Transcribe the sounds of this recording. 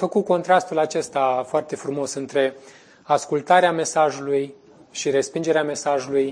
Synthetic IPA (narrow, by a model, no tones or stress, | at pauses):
fəkuko̞nt̪ɾast̪ulat͡ʃe̞st̪afoart̪e̞fɾumo̞sɨnt̪ɾe̞ | askult̪aɾeame̞saʒuluj | ʃiɾe̞spind͡ʒe̞ɾeame̞saʒuluj